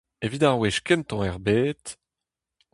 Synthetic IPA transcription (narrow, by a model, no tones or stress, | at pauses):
evit̪aʁweʃkɛnt̪ɑ̃ɛʁbeːt̪